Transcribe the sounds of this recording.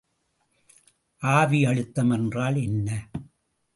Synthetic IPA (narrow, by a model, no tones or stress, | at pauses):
ʔaːʋiɐɻɯt̪ːɐmɛndraːlɛnːɐ